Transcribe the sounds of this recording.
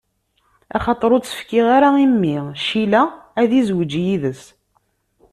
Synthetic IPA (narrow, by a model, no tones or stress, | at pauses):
ɑ̰χɑt̪ˤːɾˤot͡sːə̥fkɪʁaɾaimːiʃilææðizwəd͡ʒjiðəs